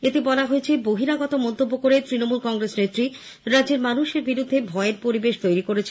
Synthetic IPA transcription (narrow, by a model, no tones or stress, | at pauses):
et̪ebɔlaɦoet͡ɕʰeboɦiɾaɡɔt̪omɔnt̪obːokoɾet̪ɾinomulkɔŋɡɾesnet̪ːɾi | ɾad͡ʑeɾmanuʃeɾbiɾud̪ʱːebʱɔeeɾpoɾibeʃt̪ojɾikoɾet͡ɕʰe